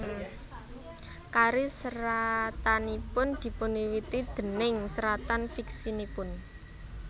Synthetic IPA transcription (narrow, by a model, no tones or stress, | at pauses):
kaɾisəɾat̪anipʊnd̪̥i̤pʊnwiwit̪id̪̥ə̤nɪŋsəɾat̪anfiksinipʊn